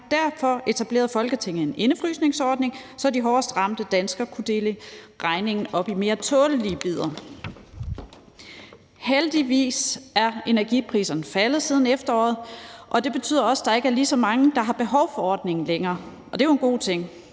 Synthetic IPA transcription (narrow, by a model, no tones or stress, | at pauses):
d̥æɐfɒ̽e̝t͡sʰæb̥le̝̰ːɐð̩ˠfɒ̽lɡ̥ət͡sʰe̝ŋ̰̩e̝ne̝nəfʁy̰ːsne̝ŋsɒːd̥ne̝ŋsɒ̽d̥iɦɒːsd̥ʁɑ̈m̰d̥əd̥ænsɡ̥ɐkʰud̥e̝ːləʁɑ̈ɪne̝ŋn̩ɒ̽b̥ime̝ːɐt͡sʰɔːləliəb̥ið̞̰ˠɐ | held̥iʋḭːsæɐe̝næɐɡ̥ipʰʁḭːsɐnəfæləð̞̩ˠsiːð̞ˠn̩efd̥ɐɒ̰ːð̩ˠʔɒ̽d̥e̝b̥e̝t͡sʰy̰ð̰ˠɐɒ̽səd̥ɑ̈e̝ɡ̥əæɐlisɒ̽mɑ̈ŋəd̥ɑ̈ɦɑ̈b̥e̝ɦɒ̽ʊfɒ̽ɒ̰ːd̥ne̝ŋn̩leŋɐː | ʔɒ̽d̥e̝joenɡ̥o̝̰ːt͡sʰe̝ŋ̰